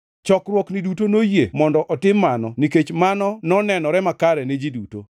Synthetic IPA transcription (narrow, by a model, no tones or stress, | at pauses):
t͡ʃɔkrwɔknidutonojemɔndɔʔɔtɪmːanɔniket͡ʃmanɔnɔnɛnɔɾɛmakaɾɛned͡ʒiduto̰